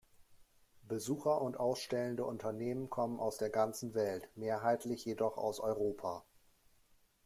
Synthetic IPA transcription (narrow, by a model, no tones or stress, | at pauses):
b̥əzuːxɐʔʊntʔaʊsʃtɛləndəʔʊntɐneːmənkʰɔmənʔa̰ʊsd̥eːɐɡant͡sn̩vɛltmeːɐɦaɪtʰlɪçjedɔχa̰ʊsɔʏʁ̞oːpʰaː